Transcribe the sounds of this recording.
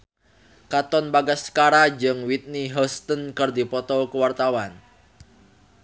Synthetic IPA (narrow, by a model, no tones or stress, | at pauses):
kat̪ɔnbaɡasːkaɾad͡ʒɨŋwit̪̚niɦɔst̪ənkɨrdipɔt̪ɔkəwart̪awan